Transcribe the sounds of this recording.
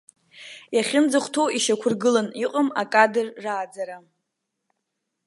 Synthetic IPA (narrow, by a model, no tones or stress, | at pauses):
jaχʲɪnd͡zɨχʷtʰo̞wiʃakʷʰʊrɡɨlaniqʼəmakʼadɨrːaːd͡zaɾa